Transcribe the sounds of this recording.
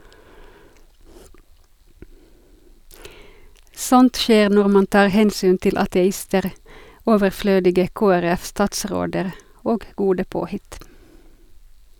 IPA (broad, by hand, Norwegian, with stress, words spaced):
ˈsɔnt ˈʃeːʁ ˈnɔʁ ˈmɑn ˈtɑːʁ ˈhɛnsyːn ˈtɪl ɑtɛˈɪstəʁ ˈoːʋəˌfløːdɪɡə ˌkoːæˈʁɛf ˈstɑːtˌsʁoːdəʁ ˈoːɡ ˈɡuːdə ˈpoːhɪt